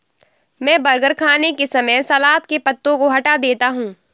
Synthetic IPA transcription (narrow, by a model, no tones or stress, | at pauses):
mɛ̃ːbɐɾɡəɾkʰaːnekesɐməjsɐlaːt̪kepɐt̪ːõkoɦɐʈad̪eːt̪aɦũː